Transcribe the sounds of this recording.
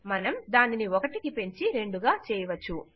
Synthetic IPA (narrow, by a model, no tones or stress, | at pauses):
mɐnɐmd̪aːniniɔkɐʈikipe̞ɲt͡ʃiɾe̞ɳɖuɡaːt͡ʃɛːjɐʋɐt͡ʃːu